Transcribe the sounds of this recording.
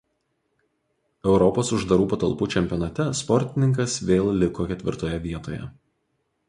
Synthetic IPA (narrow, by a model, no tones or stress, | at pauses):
ɛʊɾɔpoːsʊʒd̪ɐɾuːpɐt̪ɐlˠpuːt͡ʃʲɛmʲpʲɪɔnɐt̪ʲɛspɔɾʲt̪ʲɪnʲɪŋkɐsʋʲeːlˠlʲɪkoːkʲɛt̪ʲʋʲɪ̰ɾt̪oːjɛʋʲiɛt̪o̰ːjɛ̰